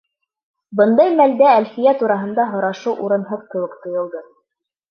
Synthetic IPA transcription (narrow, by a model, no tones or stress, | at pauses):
bɤnd̪ɑjmæld̪æːlfijæt̪uɾɑɦɤ̆nd̪ɑɦŏɾɑʃɤwʔuɾɤ̆nɦɤðkɘ̆wɘkt̪ŏjɤ̆lˠd̪ɤ